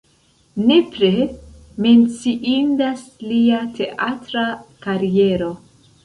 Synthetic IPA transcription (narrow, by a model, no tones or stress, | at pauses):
ne̞pɾe | me̞nt͡siʔindasliatʰe̞ʔatɾakaɾie̞ɾo̞